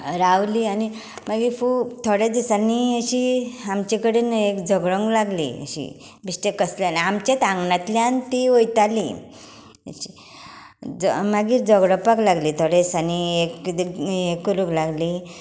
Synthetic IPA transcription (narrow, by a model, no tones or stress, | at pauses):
ɾawliani | maɡiːɾfut̪ʰoɽed̪isaniəɕiamt͡ɕekəɽenekd͡zʱəɡɭɔ̃ŋɡlaɡlḭə̰ɕḭ | bisʈekəsljaniamt͡ɕet̪ãŋɡnat̪ljãnt̪iojt̪alḭ | ə̰ɕi̥ | d͡zmaɡiːɾd͡zəɡɽɔpaklaɡliːt̪ʰoɽesaniek̪ | ekuɾuklaɡli